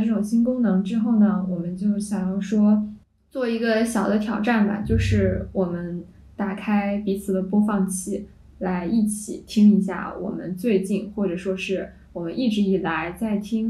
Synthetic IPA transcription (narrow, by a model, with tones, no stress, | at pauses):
ʈ͡ʂɤ˥˩ʈ͡ʂʊ˨˩ŋɕi˥nkʊ˥ŋnɤ˧˥ŋʈ͡ʂɻ̩˥xo˥˩ʊnə˩wɔ˨˩mə˦nt͡ɕjo˥˩ʊɕjɑ˨˩ŋjɑ˥˩ʊʂwɔ˥ | t͡swɔ˥˩i˧˥ɡə˧ɕjɑ˨˩ʊd̪ə˦t̪ʰjɑ˨˩ʊʈ͡ʂa˥˩nbɐ̰˩t͡ɕjo˥˧ʊʂɻ̩˥˩wɔ˨˩mə˦n | t̪a˨˩kʰa˥ɪpi˧˥t͡sʰɹ̩˨˩d̪ə˦pwɔ˥fɑ˥˧ŋt͡ɕʰi˥˩ | la˧˥ɪʔi˥˩t͡ɕʰi˨˩˦t̪ʰi˥ŋi˧˥ɕ̬ja̰˥˩wɔ̰˨˩mə̰˦nt͡swe˥˧ɪt͡ɕi˥˩nxwɔ˥˩ʈ͡ʂɤ˨˩ʂwɔ˥ʂɻ̩˥˩ | wɔ˨˩mə˦nʔi˥˩ʈ͡ʂɻ̩˧˥i˨˩la˧˥ɪt͡sa˥˩ɪt̪ʰi˥ŋ